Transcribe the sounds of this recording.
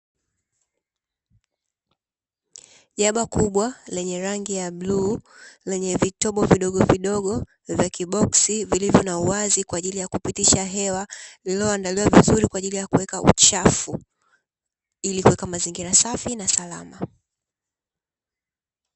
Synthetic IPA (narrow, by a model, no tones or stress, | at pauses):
ʄaɓakuɓwalɛɲɛɾaŋɡijaɓlulɛɲɛvitɔɓɔviɗɔɠɔviɗɔɠɔ | vjakiɓɔksivilivjɔnauwazikwaːʄilijakupitiʃaɦɛwalilɔandaliwavizuɾikwaːʄilijakuwɛkaʔṵt͡ʃafu | ilikuwɛkamaziŋɡiɾasafinasala̰ma